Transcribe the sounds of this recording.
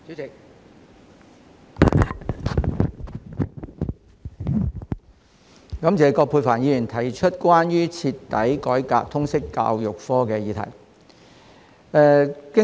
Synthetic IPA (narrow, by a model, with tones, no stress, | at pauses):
y˨˥ɪ˨k̚ | kɐ˨˥mt͡sɛː˨jkɔː˧pʰuː˧faː˨˩njiː˨˧jy˨˩nt̪ʰɐ˨˩jt͡ʃʰɵ˥t̚kʷwaː˥nɥyː˥t͡sʰiː˧t̪ːɐ˨˥jkɔː˨˥jkaː˧k̚t̪ʰʊ˥ŋsɪ˥kːa̰ː˧wjʊ˨k̚fɔː˥kɛː˧jiː˨˧t̪ʰɐ̰˨˩j | ɛː˨˧kɪ˥